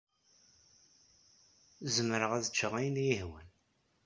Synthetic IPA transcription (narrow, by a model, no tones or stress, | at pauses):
zəmɾəʁæðət͡ʃːəʁijnjihwæ̰n